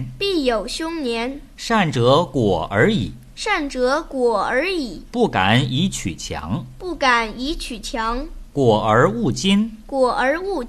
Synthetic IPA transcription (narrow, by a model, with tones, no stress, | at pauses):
pi˥˩jo˨˩ʊɕjʊ˥ŋnjɛ˧˥n | ʂa˥˩nʈ͡ʂɤ˧˥kwɔ˨˩ə˞˧˥ḭ˨˩˦ | ʂa˥˩nʈ͡ʂɤ˧˥kwɔ˨˩ə˞˧˥i˨˩˦pu˥˩ka˨˩ni˧˥t͡ɕʰy̰˨˩t͡ɕʰjɑ̰˧˥ŋpu˥˩ka˨˩˦ni˧˥t͡ɕʰy˨˩t͡ɕʰjɑ˧˥ŋkwɔ˨˩ə˞˧˥u˥˩t͡ɕi˥nkwɔ˨˩ə˧˥u˥˩